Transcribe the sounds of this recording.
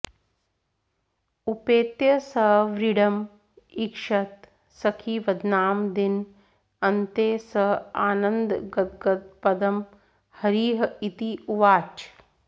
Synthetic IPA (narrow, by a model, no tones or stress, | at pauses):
upeːt̪jɐsɐɦʋɾiɽɐm | ikʂɐt̪ | sɐkʰiʋɐd̪naːmd̪in | ɐnt̪eːsɐɦaːnɐnd̪ɡɐt̪ɡɐt̪̚pɐd̪ɐm | hɐɾiːɦɐit̪iuʋaːt͡ʃ